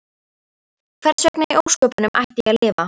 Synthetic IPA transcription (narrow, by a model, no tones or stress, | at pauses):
kʰvɛɾsvɛknaiʔoːwskœːpʏnʏmʔa̰jht̪iɣaðlɪːva